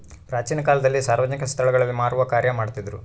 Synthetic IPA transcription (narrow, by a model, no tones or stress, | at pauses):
pɾaːt͡ʃiːnɐkaːlɐd̪ɐlːisaːɾʋɐd͡ʒɐnikɐst̪ʰɐɭɐɡɐɭɐlːimaːɾuʋɐkaːɾjɐmaːɽt̪id̪ɐɾṵ